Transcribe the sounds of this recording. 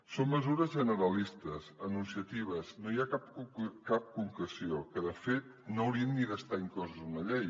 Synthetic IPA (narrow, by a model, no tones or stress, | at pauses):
somːəzuɾəzʒənəɾəlist̪əzənunsiət̪iβ̞əznojakap̚kap̚kuŋkɾəsiokəðəfet̪̚noːwɾiənːiðəst̪aiŋkɔzəzunəʎej